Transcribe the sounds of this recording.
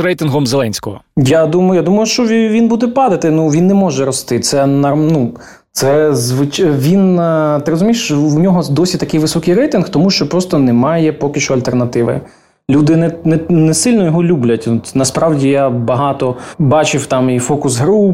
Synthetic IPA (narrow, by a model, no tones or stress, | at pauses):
rɛjt̪ɪnɦɔmzelˠɛnʲsʲkɔɦɔjad̪umɐjjad̪umɐjʊʃt͡ʃɔʋʲinbud̪ɛpɑd̪ɐt̪ɪnuʋʲinːɛmɔʒɛɾɔst̪ɪt̪sɛnɐnu | t̪sɛzʋɪt͡ʃʋʲint̪ɪɾɔzʊmʲijʃwnʲɔɦɔd̪ɔsʲit̪ɐkɪjʋɪsɔkɪjrɛjt̪ɪnxt̪ɔmuʃt͡ʃɔpɾɔst̪ɔnɛmɑjɛpɔkʲɪʃɔɐlʲt̪ernɐt̪ɪʋɪ̰ | lʲud̪ɪnɛnɛnɛsɪlʲnɔjɔɦɔlʲublʲɐt̪ʲnɐspɾɑwdʲijabɐɦɑt̪ɔbɑt͡ʃɪwt̪ɑmifɔkʊsɦɾu